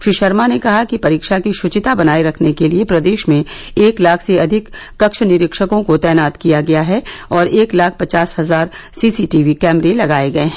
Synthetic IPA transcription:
ʃɾiːʃɐɾmanekɐɦakipɐɾiːkʃakiʃʊt͡ʃɪt̪abɐnaːiɾɐkʰnekeliepɾɐd̪eːʃmẽeːklaːkʰseɐd̪ʱɪkː | ɐkʃənɪɾɪkʃəkõkot̪ɛːnaːt̪kijaɡɐjaɦɛɔːɾeːklaːk̚ʰpɐt͡ʃaːsɦɐzaːɾ | siːsiʈiːʋikɛːmɾelɐɡaːeɡɐeɦɛ̃

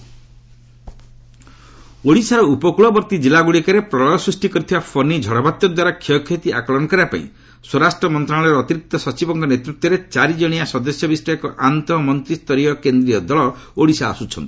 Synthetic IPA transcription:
oɽisaɾɔupɔkuɭɔbɔɾt̪id͡ʒilaɡuɭikaɾepɾɔlɔlɔsɾisʈikɔɾit̪ʰibapʰɔnid͡ʒʱɔɽɔbat̪ːjɔd̪waɾakʰɔkʰːet̪iakɔɭɔnɔkɔɾapa̰ḭ̃ | swɔɾasʈɾɔmɔnt̪ɾaɽ̃aɭɾɔːt̪iɾik̚t̪ɔsɔt͡ʃibɔŋkɔnet̪ɾut̪wɔɾet͡ʃaɾid͡ʒɔɽ̃iasɔd̪ɔsjɔbisʈɔekɔʔant̪ɔmɔnt̪ɾist̪ɔɾiɔkend̪ɾiɔd̪ɔɭɔoɽisa̰ːsut͡ʃʰɔ̰nt̪i̥

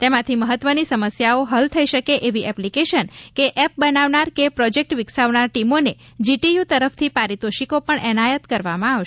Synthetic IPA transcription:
t̪emãt̪ʰiməɦət̪ʋənisəməsjaoɦəlt̪ʰəiʃəkeʔeʋiʔɛplikeʃənkeʔɛp̚bənaʋnaɾkepɾɔd͡ʒek̚ʈʋɪksaʋnaɾʈimone | d͡ʒiʈijut̪əɾəft̪ʰipaɾit̪oʃikopəɳʔɛnajət̪kəɾʋamãaʋʃ

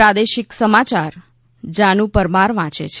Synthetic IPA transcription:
ɾad̪eʃɪksəmat͡ʃaɾ | d͡ʒanũpəɾmaɾʋãt͡ʃḛt͡ʃʰ

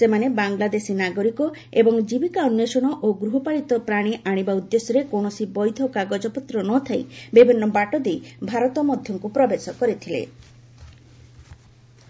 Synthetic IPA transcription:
semanebaŋlad̪esinaɡɔɾikɔ | ebɔŋd͡ʒibikaɔnjɔsɔɽ̃ɔʔoɡɾuɦɔpaɭit̪ɔpɾaɽ̃iʔaɽ̃ibaud̪ːesɔɾekoɳ̃ɔsibɔjd̪ʱɔkaɡɔd͡ʒɔpɔt̪ɾɔnɔt̪ʰajbibʱinːɔbaʈɔd̪ejbʱaɾɔt̪ɔmɔd̪ʱjɔŋkupɾɔbesɔkɔɾit̪ʰilḛ

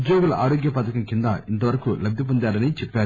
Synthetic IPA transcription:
d̪joːɡɐlʔa̰ːɾoːɡjɐpɐːt̪ɐkɐmkind̪ɐint̪ɐʋɐɾɐkulɐbʱːjip̬ond̪aːɾɐnit͡ʃɛpːaːɾu

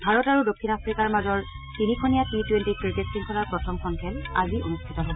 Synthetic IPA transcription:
bʱaɹɔtaɹudokʰːinapʰɹikaɹmazɔɹ | tinikʰonijatitwentikɹiketsiŋkʰɔlaɹpɹɔtʰɔmkʰɔnkʰɛla̰zionustʰitɔɦobɔ

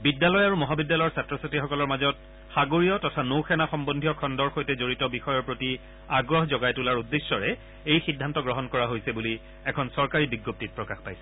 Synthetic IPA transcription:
bidːalɔjaɹumɔɦabidːalɔjɹsatɹɔsatixɔkɔlɔɹmazɔt̚ | xaɡoɹijɔtɔtʰanowxɛnaxɔmbondʱijɔkʰɔndɔɹxojtɛzoɹitɔbixɔjɔɹpɹoti | aɡɹɔɦzɔɡajtulaɹudːesːɔɹɛ | ejxidʱːantɔɡɹɔɦɔnkɔɹaɦojsɛbuli | ɛkʰɔnsɔɹkaɹibiɡop̚tit̚pɹɔkaxpajsɛ̥

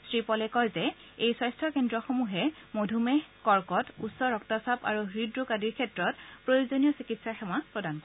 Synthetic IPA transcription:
sɹipɔlɛkɔjzɛ | ejswajstʰɔkendɹɔxomuɦɛmodʱumɛkɔɹkɔtutsɔɹɔktasapa̰ɹuɹidɹukadiɹkʰɛtɹɔtpɹojozonijɔsikitsaxɛmapɹɔdankɔ

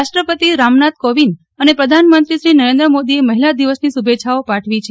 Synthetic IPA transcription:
aʂʈɾəpət̪iɾamnat̪koʋin | ənepɾəd̪ʱanmənt̪ɾiʃɾinəɾẽnd̪ɾəmod̪ieməɦilad̪iʋəsnisubet͡ʃʰaopaʈʰʋit͡ʃʰe

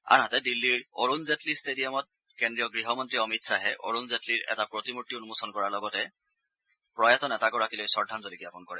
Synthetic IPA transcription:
a̰nɦatɛdilːiɹoɹunzetlistedijɔmɔt̚ | kendɹijɔɡɹiɦɔmɔntɹiɔmitsaɦɛʔo̰ɹunzetʰliɹɛ̰tapɹotimutːionumosɔnkɔɹaɹlɔɡɔtɛ | pɹɔjatɔnɛtaɡɔɹakilojsɔɹdʱanzolikijapɔnkɔɹɛ̰

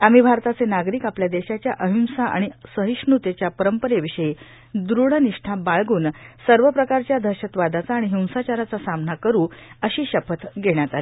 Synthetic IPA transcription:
am̤iːbʱaɾt̪at͡senaɡɾiːkapljad̪eɕat͡ɕjaʔəɦiw̃saʔa̰ɽ̃isəɦiʂɳut̪et͡ɕjapəɾəmpəɾeʋiɕəje | d̪ɾuɽəniʂʈʰabaɭɡuːnsəɾʋəpɾəkaɾt͡ɕjad̪ʱəɕət̪ʋad̪at͡saːɽ̃iɦiw̃sat͡ɕaɾat͡sasamnakəɾuːəɕiːɕəpət̪ɡeɽjat̪ale

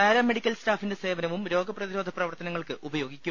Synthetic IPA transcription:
eːɾɐmeɽikʲːɐlstaːfinde̞se̞ːʋɐnɐʋumɾo̞ːɡɐprɐðiɾo̞ːd̪ʱɐprɐʋɐrt̪ɐnɐŋːɐɭkɨʔubɐjo̞ːɡikʲːu

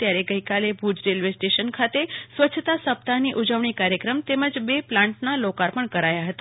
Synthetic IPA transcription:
t̪jaɾeɡəikalebʱud͡ʒɾelʋesʈeʃənkʰat̪esʋətːt͡ʃʰət̪asəp̚t̪aniʔud͡ʒəʋɳikaɾjəkɾəmt̪eməd͡ʒbeplãɳʈnalokaɾpəɳkəɾajaɦət̪a

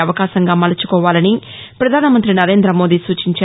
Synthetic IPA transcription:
ɐʋɐkaːʃɐŋɡaːmɐlɐt͡ʃu̥kɔːʋaːlɐni | pɾɐd̪ʱaːnɐmɐnt̪ɾinɐɾe̞ːnd̪ɾɐmo̞ːd̪iːsuːt͡ʃiɲt͡ʃa

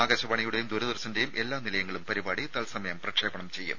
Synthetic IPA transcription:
aːɡɐɕɐbɐɳɐjuɽe̞jumd̪uɾɐðɐrsɐnde̞jumʔe̞lːaːnilɐjɐŋːɐɭumpɐɾibaːɽit̪ɐlsɐmɐjɐmprɐkʂeːbɐɳɐmt͡ɕe̞jːṵm

